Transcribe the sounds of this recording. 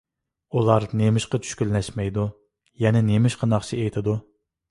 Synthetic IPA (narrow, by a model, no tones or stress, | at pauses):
ulˠɑɾnemɪʃqɑt͡ʃʰy̥ʃkʲyllɛʃmɛjd̪u | jɛnɛnemɪʃqʰɑnɑχt͡ʃʰiejt̪ʰɪd̪u